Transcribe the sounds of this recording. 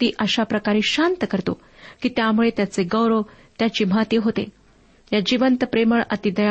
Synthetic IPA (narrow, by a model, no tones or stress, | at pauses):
t̪iːʔəɕapɾəkaɾiːɕant̪əkəɾt̪o̰ | kiːt̪jamuɭet̪jat͡seɡəwɾot̪jat͡ɕiːm̤at̪iːɦot̪ḛ | jad͡ʑiʋənt̪əpɾeməɭə̰t̪id̪əja